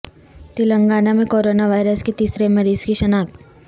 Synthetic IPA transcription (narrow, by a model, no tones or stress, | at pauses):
t̪ɪlə̃ŋɡaːnamẽkoːɾoːnaʋaːɪɾəsket̪iːsɾemɐɾiːzkiʃɐnaːk